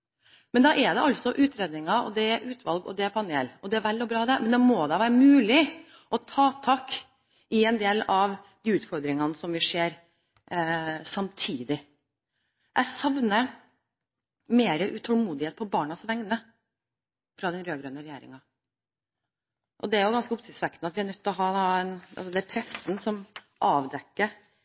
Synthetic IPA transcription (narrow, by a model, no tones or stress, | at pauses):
mɛnd̪ɑʔɛd̪ɛʔɑlt̪sɔʔʉːt̪ɾeːd̪nɪŋɑɔ̰d̪ɛæʔʉːt̪ʰʋɑlɡɔ̰d̪ɛæpʰɑneːlɔd̪ɛæʋælːɔbɾɑːd̪ɛmɛnd̪ɛmoːd̪ɑʋæːɾəmʉːlɪ | ʔɔt̪ʰɑːt̪ʰɑːk | ɪɛnd̪eːlɑʋd̪iːʉːt̪fɔɾd̪ɾɪŋɑnəsɔmʋɪʂeːɾ | sɑmt̪ʰiːd̪ɪ | ʔæsɑʋnə | meːɾəʔʉt̪ʰɔlmuːd̪ɪheːt̪̚pʰɔbɑːɳɑsʋɛŋnə | fɾɑd̪ɛnɾøːɡɾœnəɾɛjeːɾɪ̰ŋɑ | ʔɔ̰d̪ɛæɾjʊɡɑnskəʊpsɪsʋɛkːnəɑt̪ʋɪæɾnœt̪ːlɔɦɑːɑɛnɑ̰lsɔd̪ɛæpʰɾɛsn̩sɔm | ʔɑːʋd̪ɛkːəɾ